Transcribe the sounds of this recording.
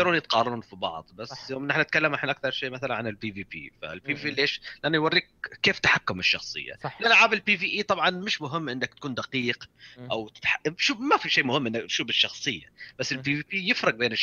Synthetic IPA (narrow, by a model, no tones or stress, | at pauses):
ɑɾuːnjɪt̪qɑːrˤɑɾuːnfibɑ̰ʕd̪ˤbasːjoːmʔɪnːʔɪħnaɪt̪̚kalːamʔɪħnʔak̚θɑɾˤʃeːmaθalanʕanɪlbiːviːpḭːfa̰lbiiiːlːiʔeːʃlɪʔanːajwɑɾrˤːiːk̚ːeːft̪ħakːʊmɪʃːɑxsˤɨ̰jːa̰lʔanːaʕaːbɪlpiːviːʔiːt̪ˤɑbʕɑnmɪʃmʊɦɪmːʔɪnːɪkt̪akuːnd̪aqiːqʔawt̪ħaʔʃuːmafiʃeːmʊhɪmʔɪnːak̪ʃuːbɪʃːɑxsˤɨjːa̰b̥asːɪlbiːviːpiːjɪfɾˤɑɡ̚beːnɪʃ